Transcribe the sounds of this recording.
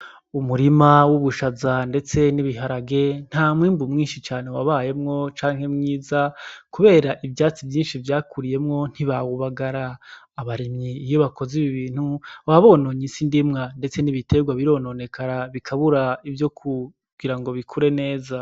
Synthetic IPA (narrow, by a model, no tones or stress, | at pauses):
umuɾimawuβuʃazande̞t͡se̞niβiɦaɾaɡe̞n̥haːmŋiːmbumŋiːnʃit͡ʃaːnewaβaːje̞mŋo̞t͡ʃaːŋhe̞mŋiːzakuβe̞ːɾaʔibjaːt͡sivjiːnʃivjaːkuɾije̞mŋo̞n̥hiβaβuβaɡaɾaː | βaɾimɲiːjo̞βako̞ziβiβiːn̥huwaβo̞noɲisindimŋande̞t͡se̞niβite̞ɡwaβiɾo̞ːnone̞kaɾaβikʰaβuɾaivjo̞kʰu | ɡ̥iɾaŋɡo̞βikʰuɾe̞ne̞ːza